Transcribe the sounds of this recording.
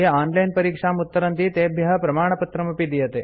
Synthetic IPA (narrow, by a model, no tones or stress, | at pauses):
ɦeaːnlɐjnpɐɾiːkʂamut̪ːəɾɐnt̪iːt̪ebʱjɐɦəpɾɐmaːɳ̃ɐpɐt̪ɾɐmɐpid̪ijət̪e